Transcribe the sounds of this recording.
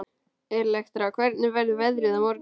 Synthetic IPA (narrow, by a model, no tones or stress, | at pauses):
ɛɾlɛxt̪ɾawkʰvɛɾt̪̚nɪvɛɾðʏvɛðɾɪðamɔɾt̪